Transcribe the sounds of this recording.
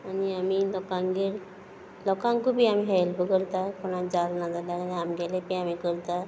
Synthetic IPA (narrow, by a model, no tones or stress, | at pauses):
aniamilɔkãŋɡeɾ | lɔkãŋkubʱiamiɦɛlpəkəɾt̪akɔɽ̃ãd͡zalnad͡z̪alaɾaniamɡɛlepiamikəɾt̪a